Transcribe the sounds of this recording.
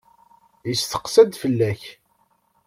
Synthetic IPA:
jəsθə̥qsæd̪fəlːæç

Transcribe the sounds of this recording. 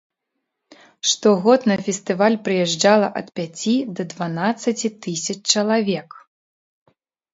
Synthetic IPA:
ʂt̪ɔɣɔt̪nɐfʲɛsʲt̪ɨvalʲpɾɨjɛʐd͡ʐalˠɐʔɐt̪pʲat͡sʲid̪ɐd̪vanat̪sːɐt͡sʲit̪ɨsʲɐt͡ʂt͡ʂɐlˠavʲɛk

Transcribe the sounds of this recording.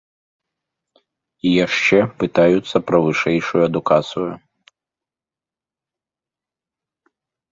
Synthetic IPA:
ijaʂt͡ʂɛpɨt̪ajut̪sːɐpɾɐvɨʂɛjʂujuɐd̪ukat̪sɨju

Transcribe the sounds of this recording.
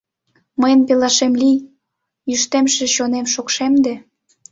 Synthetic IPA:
məjəmpelɑʃemlij | yʃt̪emʃĕɕonemʃokʃemd̪e

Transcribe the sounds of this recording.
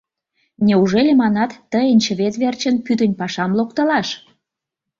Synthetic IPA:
nʲeuʒelʲemɑnɑt̪ːəjənʲt͡ɕə̆βet̪βert͡ɕənpyd̪ənʲpɑʃɑmlokt̪ə̆lɑʃ

